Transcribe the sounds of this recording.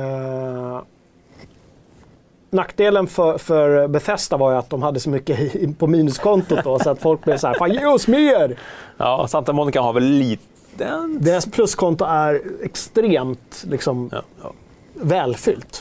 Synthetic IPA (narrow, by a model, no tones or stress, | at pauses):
nakːd̪eːlənfœfœɾbɛfɛst̪avaɾjɵat̪̚d̪ɔmhad̪ːəsɔmʏkːəpʰɔmiːnɵskʰɔnt̪ʊd̪ɔsɔat̪fɔlk̚blɛvsɔæːɾfajɵsmeɾɑsant̪amɔnɪkahavɛlːiː | d̪eːɾaspʰlɵskʰɔnt̪ʊæɾɛkst̪ɾeːmt̪lɪksɔm | vɛːlfʏ̰lt̪